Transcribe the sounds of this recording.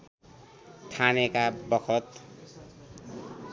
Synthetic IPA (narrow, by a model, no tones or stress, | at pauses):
t̪ʰanekabʌkʰʌt̪